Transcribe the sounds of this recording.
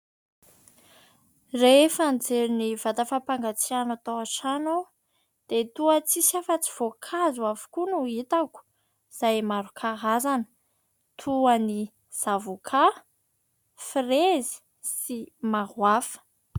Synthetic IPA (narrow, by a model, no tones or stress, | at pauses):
refand͡zeɾiniv̥at̪afapaŋɡat͡sianat̪aaʈ͡ʂano | d̪̥et̪uət͡sisafət͡si̥v̥okʰazuavu̥kunuit̪aku̥ | z̥ajmaɾukʰaɦazanə̥ | t̪ʰuani | z̥avukʰa | frezi̥ | simaɦwafə̥